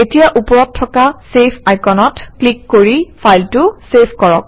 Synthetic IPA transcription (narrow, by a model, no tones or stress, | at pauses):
etijaʔupɔɹɔtʰːɔkasepʰajkɔnɔtklikːoɹifʰajltʊsepʰkɔɹɔk̚